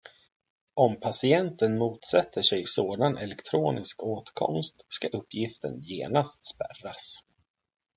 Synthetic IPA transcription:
ʔɔmpʰasɪɛnt̪ənmuːt̪sɛt̪ːəʂɛjsoːd̪anʔɛ̰lɛkt̪ʰɾoːnɪskoːt̪kʰɔ̰mst̪skaʔɵpːjɪft̪ə̰njḛːnast̪spæ̰ras

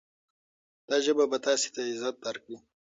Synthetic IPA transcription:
d̪̥ɑʒəbabat̪ɑːse̥t̪aɪzat̪̚b̪aɾkɽi

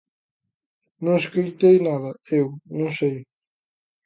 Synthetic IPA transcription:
nõŋeskojt̪ejnaðɐewnõŋsej

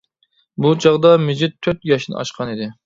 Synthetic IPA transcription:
but͡ʃʰɑʁd̪ɑmɪd͡ʒɪt̪ʰːøt̪jɑʃnɪ̰ʔɑ̰ʃqʰɑnid̪ɪ

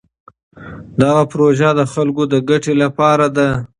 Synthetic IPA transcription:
d̪aɣapɾoʒad̪əxalkod̪əɡaʈelapɑɾad̪a

